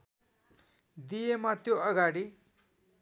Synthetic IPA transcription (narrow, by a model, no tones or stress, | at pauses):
d̪ijemat̪joʌɡaɽi